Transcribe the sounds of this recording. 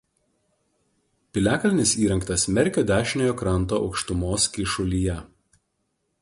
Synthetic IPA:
pʲɪlʲæːkɐlʲnʲɪsiːɾʲɐŋkt̪ɐsmʲɛɾʲkʲoːd̪ʲæːʃʲɪnʲoːjoːkɾɐnˑt̪̬oːʔɒʊkʃt̪ʊmoːskʲɪʃʊlʲijɛ

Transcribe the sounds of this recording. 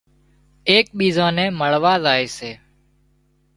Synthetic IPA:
eːk̚ɓiːzãːnẽːməɭʋaːzaːeːseː

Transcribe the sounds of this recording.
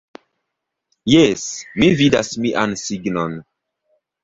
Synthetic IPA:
jesmividasmiʔansiɡnon

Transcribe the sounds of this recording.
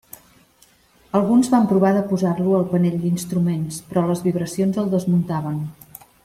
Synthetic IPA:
əlˠɣunzβampɾuβ̞aðəpuzarluəlˠpəneʎd̪inst̪ɾumenspɾɔləzβiβɾəsionzəlˠd̪əzmunt̪aβ̞ən

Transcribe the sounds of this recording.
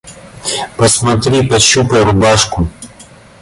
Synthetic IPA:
pɐsmɐt̪ɾʲipɐɕupəjɾʊbaʂkʊ

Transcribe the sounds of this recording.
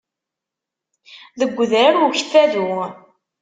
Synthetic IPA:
ðəɡʷːəðɾaɾwuçθæðu

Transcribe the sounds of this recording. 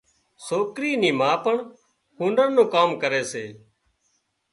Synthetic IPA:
soːkɾiːniːmãːpəɳ | hũːnɖəɾnũːkaːmkəɾeːseː

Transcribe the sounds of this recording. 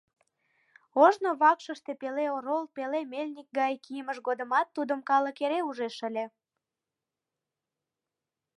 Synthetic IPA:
oʒnoβɑkʃəʃt̪epeleoɾolpelemelʲnik̚ɡɑjkijəməʃɣod̪əmɑt̪ːud̪əmkɑləkeɾeuʒeʃəlʲe

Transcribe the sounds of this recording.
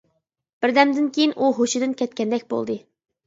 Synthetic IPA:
b̥ɪɾd̪ɛmd̪ɪnkʲejinʔuɦoʃid̪ɨnkʲʰɛt̪̚kʲɛnd̪ɛk̚ʲbo̰lˠd̪ɨ

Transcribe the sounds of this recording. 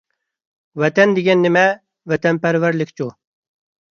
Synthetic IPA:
wɛt̪ɛnd̪eɡʲɛnːɪmɛ | vɛt̪ʰɛnpæɾvæɾlɪkʲt͡ʃʰu

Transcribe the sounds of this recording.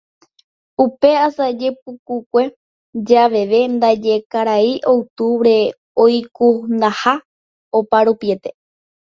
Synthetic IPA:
upe̞asad͡ʒe̞p̚ukukʷe̞ | d͡ʒaʋe̞ʋe̞nd̪ad͡ʒe̞kaɾaiʔowt̪uʋɾe̞ | ojkund̪aha | opaɾupiet̪e

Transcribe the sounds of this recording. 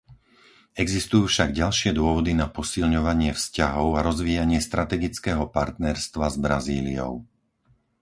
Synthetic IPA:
ɛɡzist̪ujuːfʃaɡɟalʃɪɛd̪ʊɔʋɔd̪inapɔsilɲɔʋaɲɪɛfscaɦɔʊaɾɔzʋiːjaɲɪɛst̪ɾat̪ɛɡit͡skɛːɦɔpaɾt̪nɛɾst̪ʋazbɾaziːlḭɔ̰ʊ

